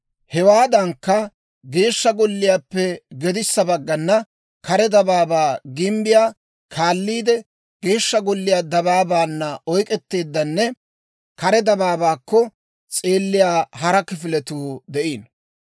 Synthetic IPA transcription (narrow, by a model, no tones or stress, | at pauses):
hɛwaːd̪ɐŋkːɐ | ɡe̞ːʃːɐɡɔlːɪjaːpːɛɡɛd̪ɪsːɐbɐɡːɐnːɐ | kɐɾɛd̪ɐbaːbaːɡɪmbɪjaː | kʰaːlːiːd̪ɛ | ɡ̥e̞ːʃːɐɡɔlːɪjaːd̪ɐbaːbaːnːɐɔjkʼɛt̪ːe̞ːd̪ːɐnːɛ | kɐɾɛd̪ɐbaːbaːkːɔ | t͡sʼe̞ːlːɪjaːhɐɾɐkɪfɪlɛt̪uːd̪ɛʔiːn